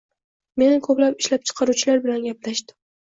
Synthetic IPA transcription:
me̞nkʰɵplapɪʃlap̚t͡ʃʰɨ̥qʰɑɾuwt͡ʃʰɪlaɾbɪlanɡʲaplaʃd̪ɪm

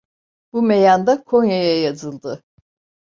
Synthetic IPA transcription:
b̥umejand̪akʰo̞njajajazɯlˠd̪ɯ

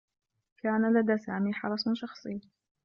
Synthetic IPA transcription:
kaːnalad̪aːsaːmiːħɑɾˤɑsˤʃɑxsˤɨː

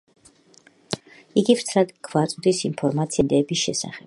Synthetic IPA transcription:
iɡivɾt̪sʰɾad̪ɡʰvat̪sʼd̪isinpʰɔɾmat̪sʰid̪ɛːbisʃɛ̰sa̰χɛb̥

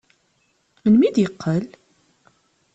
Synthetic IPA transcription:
mənmid̪jəqʰːəl

